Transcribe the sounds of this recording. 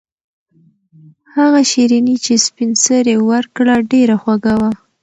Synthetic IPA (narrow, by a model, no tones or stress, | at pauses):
haɣaʃiɾinit͡ʃespinsəɾewəɾkɽaɖeɾaxwaɡawa